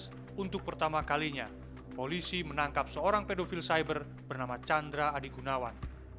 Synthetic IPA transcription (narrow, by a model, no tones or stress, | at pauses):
unt̪ʊk̚pərt̪amakaliɲa | polisimənaŋkapsəoɾaŋpedofilsajbər | b̥ərnamat͡ʃand̪ɾaːdiɡunawan